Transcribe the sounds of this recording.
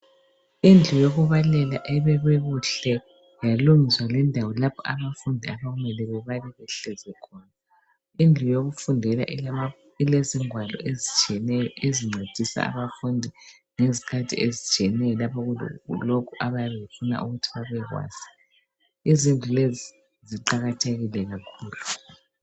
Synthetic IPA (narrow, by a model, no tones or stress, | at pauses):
ind͡ɮʱujoɣuβalɛlaʔɛβɛβeɣuɬɛ | jaluŋiswalɛndʱawɔlapʰɔaβafundʱiaβaɣumɛlɛβɛβalɛβɛɬɛzwɛkʰɔna | ind͡ɮʱujoɣufundʱɛla̰ʔ | ileziŋwalɔ̰ezit͡ʃɛnɛjɔʔeziŋ͡ǀʱed̥ʱisa̰a̰βafundʱi | ŋezikʰatʰḭʔezit͡ʃʼiɛnɛjɔlapʰɔɣ̰lokʰuʔaβajaβefuna̰ʔuɣutʰiβaβɛɣwa̰ːz̥i | izind͡ɮʱulezi | ziǃaɣatʰeɣilɛɣakʰuːlu